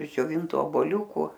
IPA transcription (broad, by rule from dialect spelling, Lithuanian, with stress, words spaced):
ɪʃ d͡ʒʲoːˈʋʲɪntʊ oːboːˈlʲuːkʊ